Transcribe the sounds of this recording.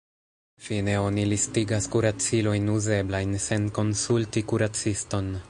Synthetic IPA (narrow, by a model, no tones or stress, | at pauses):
fine̞o̞nilistiɡaskuɾat͡silo̞jnuze̞blajnse̞nko̞nsultikuɾat͡sisto̞n